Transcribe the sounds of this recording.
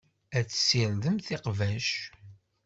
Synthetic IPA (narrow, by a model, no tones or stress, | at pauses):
æt͡sːə̥siɾðəmθɪqvæʃ